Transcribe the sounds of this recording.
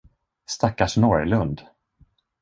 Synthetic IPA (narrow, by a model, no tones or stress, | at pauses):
st̪akːaʂnɔɾlɵnd̪